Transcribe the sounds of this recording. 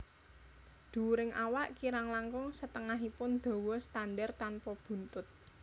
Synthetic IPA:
d̪̥ṳɾɪŋʔawaʔkiɾaŋlaŋkʊŋsət̪əŋaɦipʊnd̪̥ɔ̤wɔst̪anɖɛrt̪anpɔb̥ṳnt̪ʊt̪̚

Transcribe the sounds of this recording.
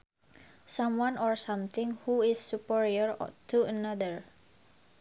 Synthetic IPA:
sãmwanɔɹsãmt̪ɪŋhuɪsːupiɹiɔɹt̪uənadəɹ

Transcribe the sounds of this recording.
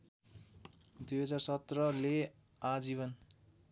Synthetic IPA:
d̪ujɦʌd͡zarsʌt̪rʌle | ad͡ziβʌn

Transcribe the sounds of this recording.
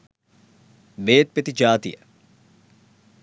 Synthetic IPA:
ʋeːt̪̚pet̪id͡ʒaːt̪ijɐ

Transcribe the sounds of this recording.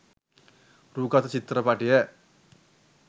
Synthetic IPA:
ɾuːkat̪ɐt͡ʃit̪ɾɐpaːʈije

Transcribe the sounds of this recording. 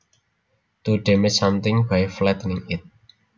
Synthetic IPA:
t̪uɖɛmɪt͡ʃsʌmt̪ɪŋbajflɛt̪nɪŋɪt̪̚

